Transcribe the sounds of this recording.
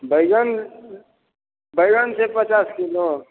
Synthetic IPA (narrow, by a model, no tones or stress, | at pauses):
bəɪɡən | bəɪɾənsepət͡ʃaskilo